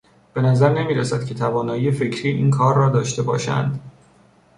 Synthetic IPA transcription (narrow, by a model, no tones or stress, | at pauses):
b̥e̞næzæɾnemiːɾæsæd̪̥̚cʲʰe̞t̪ʰævɒːnɒːjiːe̞fe̞cʰɾiːʔiːnkʰɒːɾːɒːd̪ɒːʃt̪e̞bɒ̰ːʃæ̰nd̪